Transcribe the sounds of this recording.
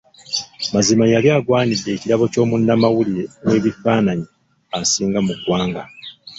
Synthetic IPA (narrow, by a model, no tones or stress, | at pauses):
mazimajaljaːɡwaːnidːe̞ːciɾaβo̞co̞ːmunːamawuliwe̞ːβifaːnaɲi | asiːŋɡamukwaːŋɡa